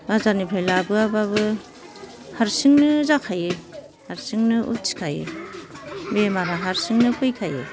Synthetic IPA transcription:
azanipʰajlabɯabaβɯ | haɾsiŋnɯzakʰajɯ | haɾsiŋnɯʔṵt̚si̥kʰajɯ̰ | bemaɾaɦaɾsiŋnɯpʰɯjkʰajɯ̰

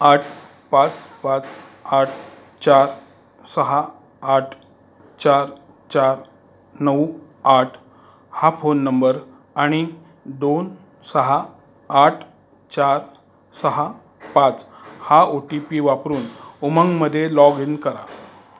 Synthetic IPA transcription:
aʈʰ | pãt͡spãt͡saʈʰ | t͡ɕaɾ | səɦaː | ʈʰ | t͡ɕaɾ | t͡ɕaɾ | nəw | aʈʰ | hafonːəmbəɾ | aɽ̃i | d̪on | səɦaː | ʈʰ | t͡ɕaɾ | səɦa | pat͡shaoʈipiʋapɾuːnuməŋɡməd̪ʱːjelɔɡinkəɾa̰

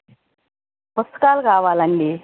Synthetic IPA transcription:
pust̪u̥kaːlukaːʋaːlɐɳɖi

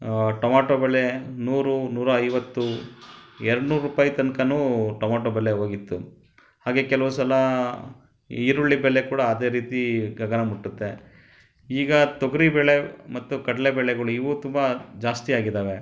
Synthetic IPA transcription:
ʈɔmaːʈoːbɛɭːenuːɾunuːɾɐːjʋɐt̪ːu | ɛɾɐɽnuːɾɾuːpaːjit̪ɐnkɐnuːʈɔmaːʈoːbɛlːeɦoːɡit̪ːu | haːɡe̞kɛlɐʋusɐlɐ | iɾuɭːibɛɭːekuːɽɐːd̪eːɾiːt̪iɡɐɡɐnɐmuʈːut̪ːe̞ | iːɡɐt̪oɡɐɾibɛɭe̞mɐt̪ːukɐɽɐlebɛɭɛɡɐɭuiʋut̪umbɐd͡ʒaːst̪iaːɡid̪aːʋe̞

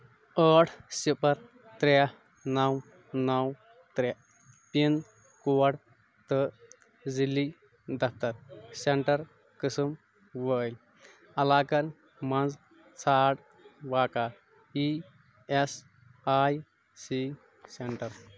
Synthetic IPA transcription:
əʈʰsipɐɾ | t̪ɾɛ | nɐw | nɐw | t̪ɾɛʔ | pin | kuwɐɽ | t̪ə | d͡zilːi | d̪ɐfʰt̪ɐɾseɳʈɐɾ | kəsɨm | ʋəjl | ɐlaːkɐɾ | mɐnd͡z | t͡sʰaɽ | ʋaːka | i | es | aj | si | seɳʈɐɾ

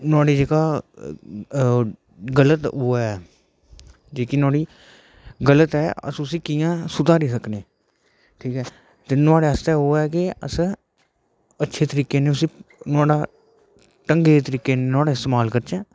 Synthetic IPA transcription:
nʊaːɽeːd͡ʒeːkaː | ɡələt̪oːɛ | d͡ʒeːkinaːɽiː | ɡələt̪ɛːə̰sʊsĩːkijãːsʊd̪aːɾiːsəkneː | ʈʰiːkɛː | t̪eːnʊaːɽeːəst̪ɛːoːɛːkɪəs | ətːʃʰeːt̪əɾiːkeːnẽːʊsiːnʊaːɽaː | ʈəŋɡeːt̪əɾiːkeːneːnʊaːɽaːɪst̪eːmaːlkəɾt͡ʃɛ̃ː

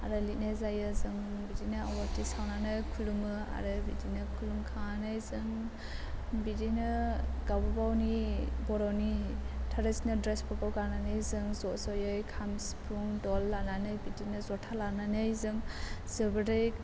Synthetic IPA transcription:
a̰ɾɯlit̚nezajɯzɯŋbidinɯawatisawnanɯjkʰulumɯa̰ɾɯbidinɯkʰulumkʰaŋanɯjzɯŋ | bidinɯɡawbabawnibɔɾɔnitʰaɾɯsnɯdɾespɔkawɡananɯjzɯŋzɔʔsɔjɯjkʰamspʰuŋdɔlːananɯjbidinɯzɔtʰalananɯjzɯŋz̥ɯbɯdɯj

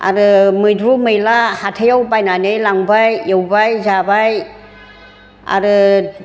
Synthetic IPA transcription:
a̰ɾɯmɯjdɾumɯjlahatʰejawbajnanɯjlaŋbajewbajzabaj | a̰ɾɯ

